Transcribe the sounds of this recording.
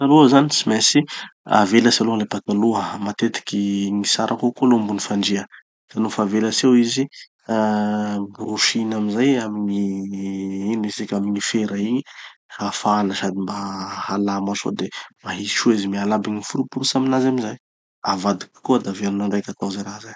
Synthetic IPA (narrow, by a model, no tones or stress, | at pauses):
aluəzanisimɛsia̰veləsalulepat̪aluəmat̪et̪i̥kʲiŋisaɾʔakokolombunifaɳd͡ʒiə | d̪̥anufaveləsewizi | ɾuʃinamizajamiɲi | inesikʲamiɲifeɾaiɲihafaaləsad̪imbahalamaʃo̰d̪emaɦi̥t͡ʃuizimialabiɲifuɾupuɾusamilazamizaj | avad̪iki̥koad̪aveɾunaɳɖ͡ʐajkat̪awzajɾaɦzaj